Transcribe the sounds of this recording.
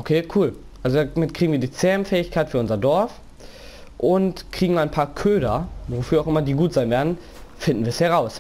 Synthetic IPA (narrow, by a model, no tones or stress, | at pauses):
ʔokʰeːkʰuːl | ʔalzodaːmɪt̚kʰʁ̥iːɡŋ̩viːɐdiːt͡seɛːmfɛːɪçkʰaɪtfyːɐʔʊnzɐdɔɐf | ʔʊntkʁ̥iːɡŋ̩aɪnpʰaːɐkʰøːdɐvofyːɐaʊxʔɪmɐdiːɡuːtz̥aɪnveːɐdn̩ | fɪndn̩viːɐshɛʁaʊs